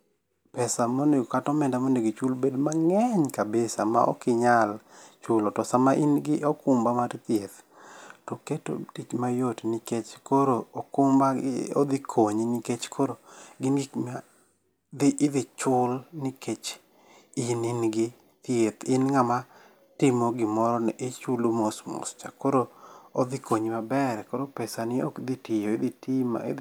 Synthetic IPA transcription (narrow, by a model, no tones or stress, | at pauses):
pɛsamoneɡokatɔmɛndamoneɡit͡ʃulbedmaŋɛɲkabesama̰ʔɔ̰kɪɲalt͡ʃʊlɔtɔsamaʔɪnɡɪʔɔkʊmbamaɾt̪jet̪ | tɔketo̰tit͡ʃmajotniket͡ʃkoɾookʊmbao̰d̪ɪkʰoɲnɪket͡ʃkʰoɾoɡɪnɡɪkma | d̪ɪʔːðɪt͡ʃʊlnɪkʰet͡ʃ | ɪnɪnɡɪ | t̪jet̪ɪnŋama | tɪmoɡɪmɔɾɔnɛʔet͡ʃulomosmɔ̰st͡ʃa̰koɾood̪ɪkoɲmabɛɾɛkoɾopɛsanɪo̰kd̪itɪjoɪd̪itʰima̰ɪ̰